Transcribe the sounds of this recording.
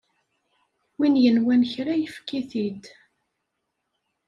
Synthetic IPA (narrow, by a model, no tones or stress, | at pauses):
winjənwænçɾæjəfkiθid̪